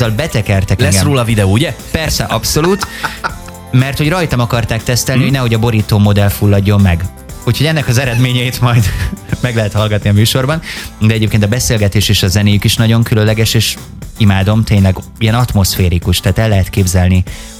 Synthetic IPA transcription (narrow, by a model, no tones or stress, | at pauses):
ɒlbɛt̪ɛkɛrt̪ɛkɛroːlɒvid̪ɛoːuɟɛpɛrsɛʔɒpso̞luːt̪ | mɛrt̪ho̞ɟrɒjt̪ɒmɒkɒrt̪aːk̚t̪ɛst̪ɛlnihoɟnɛɦo̞ɟɒbo̞ɾiːt̪oːmo̞d̪ɛlfulːɒɟːo̞mːɛɡ | uːcho̞ɟɛnːɛkɒzɛɾɛd̪meːɲɛjit̪mɒjd̪mɛɡlɛɦɛt̪hɒlɡɒt̪niɒmyːʃo̞rbɒnd̪ɛɟeːp̚keːnt̪̬ɒbɛseːlɡɛt̪eːʃeːʃɒzɛneːjykiʃnɒɟo̞ŋkyløllɛɡɛʃeːʃ | imaːd̪o̞mt̪eːɲlɛɡijɛnɒt̪mo̞sfeːɾikuʃt̪aːt̪ɛlːɛɦɛt̪keːbzɛlni